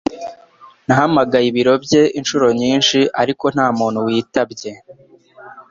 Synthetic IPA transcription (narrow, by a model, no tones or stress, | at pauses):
nahamaɡajiβiɾo̞bɟe̞ʔinʃuɾo̞ɲiːnʃiʔaɾiko̞n̥haːmuːn̥huwiːtabɟe̞